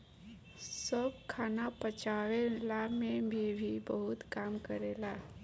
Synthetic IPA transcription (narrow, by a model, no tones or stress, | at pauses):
səbkʰaːnapət͡ʃawelamẽbʱibʱibəɦʊt̪kaːmkəɾela